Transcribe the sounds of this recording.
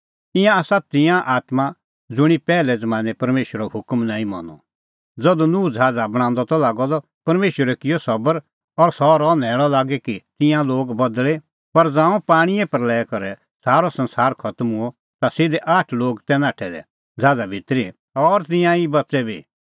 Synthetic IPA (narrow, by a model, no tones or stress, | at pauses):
ɪ̃jãaːsat̪ɪ̃jãʔaːt̪ma | d͡zʊɽ̃ipɛːlɛd͡zɐmãːnɛpɐɾmeːʃwəɾɔhʊkmnãːĩmɔ̰nɔ̰ | d͡zɐd̪unud͡zʱaːd͡zabɐɽ̃ãːnd̪ɔt̪ɔlaːɡɔd̪ɔ | pɐɾmeːʃəɾɛkɪjɔsɐbəɾ | ɔɾsɔɾɔːnɛːɭ̃ɔlaːɡɛkit̪ɪ̃jãloːɡbɐd̪ɭe | pɐɾd͡zãːũpaːɽ̃iɛpɐɾlɛːkɔɾɛ | saːɾɔsɐ̃nsaːɾkʰɐt̪muɔ | t̪asɪd̪ɛʔaːʈʰloːɡt̪ɛnaːʈʰɛd̪ɛ̰ | d͡zʱaːd͡zabʱɪt̪ɾi | ɔɾt̪̬ɪ̃jãibɐtːsɛbʱiː